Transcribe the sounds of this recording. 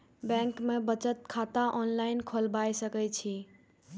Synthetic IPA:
bɛ̃ŋkmebət͡ʃət̪̚kʰat̪aʔɔnlainkʰolbajsəkɛt͡ʃʰi

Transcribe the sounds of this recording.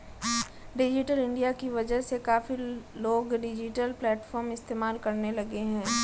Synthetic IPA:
ɖɪd͡ʒɪʈəlɪ̃ɳɖijakiʋɐd͡ʒəɦsekaːfiloːɡɖɪd͡ʒɪʈəlplɛːʈfɔːɾmɪst̪eːmaːlkɐɾnelɐɡeɦɛ̃ː

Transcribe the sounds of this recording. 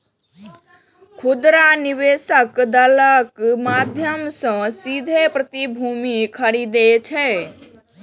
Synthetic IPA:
kʰud̪ɾaniβesəkd̪ələkmad̪ʱjəmsə̃sid̪ʱepɾət̪ibʱumikʰəɾid̪et͡ʃʰɛ

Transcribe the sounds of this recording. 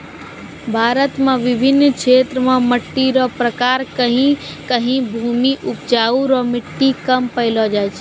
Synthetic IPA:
bʱaːɾət̪mẽʋɪbʱɪnːkʃʰet̪ɾəmãməʈːiɾɔpɾəkaɾkəɦĩkəɦĩbʱumiʔupd͡ʒaːuɾɔmɪʈːikəmpəɪlɔd͡ʒajt͡ʃʰ

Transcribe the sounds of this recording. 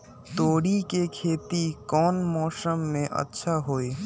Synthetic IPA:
t̪oːɽikekʰeːt̪ikɔːnmɔːsəmːẽʔə̰tːʃʰaɦoːeː

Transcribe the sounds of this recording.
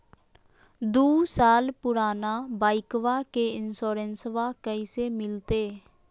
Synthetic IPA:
d̪uːsaːlpʊɾaːnaːbaːɪkʋaːkeːɪnsoːɾənsʋaːkəiːseːmɪlt̪eː

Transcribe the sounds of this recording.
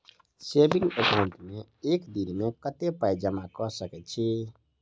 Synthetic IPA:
sebiŋɡəkaʊ̃nʈmeekd̪inmekət̪epajd͡ʒəmakɔsəkɛt̪t͡ʃʰi

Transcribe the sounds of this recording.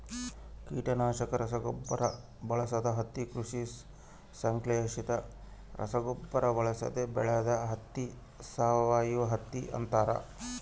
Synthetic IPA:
kiːʈɐnaːʃɐkɐɾɐsɐɡopːɐɾɐ | bɐɭɐsɐd̪ɐɦɐt̪ːikɾuʂi | sɐŋkleːʂit̪ɐɾʔɐ̰sɐɡopːɐɾɐbɐɭɐsɐ̰d̪ebɛɭɐjɐd̪ɐɦɐt̪ːi | saːʋɐʋaːjiʋɐɦɐt̪ːiʔɐ̰nt̪aːɾɐ̰

